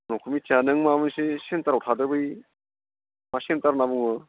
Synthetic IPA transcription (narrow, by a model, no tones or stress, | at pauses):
nɔkʰumit͡ʃanɯŋmamɯnsesentaɾawtʰadɯbɯj | masentaɾnabuŋɯ